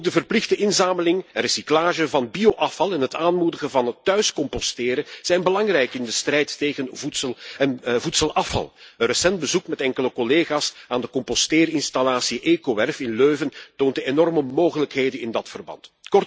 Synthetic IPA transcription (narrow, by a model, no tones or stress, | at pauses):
oɡ̚dəvərplɪɣdəʔɪnzaːməlɪŋɛnresiklaːʒəvɑnbioʔɑfɑlˠɛnɦətaːnmudəɣəvɑnətːœɥskɔmpɔstɪːɾəz̥ɛjnbəlɑŋrɛjkɪndəstrɛjtːeːɣənvutsəlˠənvutsəlˠʔɑfɑ̰lˠənrəsɛnd̚bəzukmɛtɛŋkələkɔleːɣaːsaːndəkɔmpɔsteːrɪnstalaːsiʔeːkoʋɛrfɪnløːvəntoːntəenɔrməmoːɣələkɦeːjdənɪndɑtfərbɑ̰ntkɔr